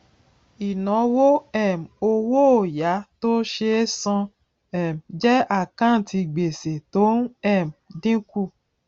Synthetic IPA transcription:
i˨nɔ̃˨˦wo˦ɛ˦˨m˨o˧wo˦o˨ja˨˦to˦ʃe˧˦sɔ̃˧ | ɛ˨md͡ʒɛ˦a˦˨kã˦˨ti˧ɡ͡be˨se˨to˨˦n˦ɛ˦˨mdĩ˦ku˦˨

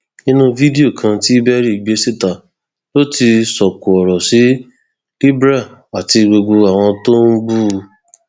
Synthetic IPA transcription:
nĩ˦nũ˧vi˦de˦o˦˨kʰã˧ti˦i˦bɛ˦ɾi˦˨ɡ͡be˨˦se˦ta˨ | lo˦ti˧sɔ˨ku˨ɔ˨ɾɔ˨si˨˦ | i˦bɾa˦˨a˨ti˧ɡ͡bo˧ɡo˧a˨w̃ɔ̃˧to˦n̩˦bu˦˨˧

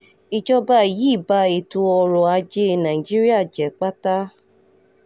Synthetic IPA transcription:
i˨d͡ʒɔ˧ba˧˦˨ji˨˦˨ba˧e˨tu˧ɔ˧ɾɔ˨a˧d͡ʒe˧˦˧nã˨i˨d͡ʒi˦ɾi˦a˦˨d͡ʒɛ˨˦k͡pa˦ta˦

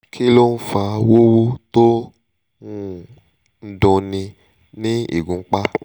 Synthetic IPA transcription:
kʰi˦lo˦n̩˦fa˧wo˦wo˦to˦ | ũ˦ | n̩˦dɔ̃˧nĩ˧ | nĩ˦ḭ˨ɡũ˨ŋ͡m̩˦k͡pa˦

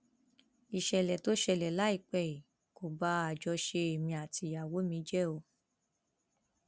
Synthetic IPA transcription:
i˨ʃɛ˨lɛ˨to˨˦ʃɛ˧˨lɛ˨la˨˦i˦˨k͡pɛ˦˨i˨ | ko˨ba˦a˨d͡ʒɔ˧ʃe˧e˨mĩ˧a˨tʰi˧˦˨a˨wo˨˦mĩ˧˦d͡ʒɛ˦o˧˦

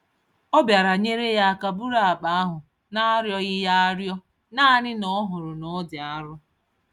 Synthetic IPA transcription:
ɔ˦bja˨ɾa˨ɲe˦ɾe˦ja˦ka˨bu˦ɾa˦˨a˨k͡pa˨a˦ɦʊ˨ | na˦a˦ɾjɔ˦ɣɪ˦ja˦a˦ɾjɔ˦ | naː˦nɪ˦nɔ˦ɦʊ˨ɾʊ˨nɔ˨˦dɪ˨a˦ɾʊ˦

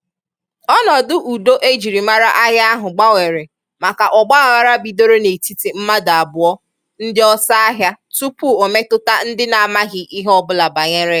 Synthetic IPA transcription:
ɔ˦nɔ˨dʊ˦ʔu˨do˦ʔe˦d͡ʒi˨ɾi˨ma˦ɾa˦ʔa˦ɦja˦a˦ɦʊ˨ɡ͡ba˦we˨ɾe˨ | ma˨ka˨ʔɔ˨ɡ͡ba˦a˨ɣa˦ɾa˦bi˨do˦ɾo˦ne˨ti˦ti˨m̩˦ma˦da˨a˨bʊ˨ɔ˦ | n̩˦dɪ˦ɔ˦sa˦a˦ɦja˦ | tu˦pu˦o˨me˦tʊ˦ta˦n̩˦dɪ˦na˨a˨ma˦ɣɪ˨ʔi˦ɦɔ˦bʊ˦la˨ba˨ɲe˦ɾe˦

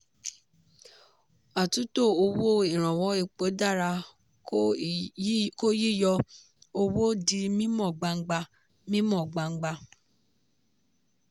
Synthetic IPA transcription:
a˨tu˨˦to˦˨o˧wo˦i˨ɾ̃ã˨wɔ˨˦i˦˨k͡po˨˦da˦˨ɾa˧˦ | ko˦ji˦˨jɔ˧ | o˧wo˦di˧mĩ˦mɔ̃˦˨ɡ͡ba˧ŋ̩˦ɡ͡ba˧ | mĩ˦mɔ̃˦˨ɡ͡ba˧ŋ͡m̩˦ɡ͡ba˧

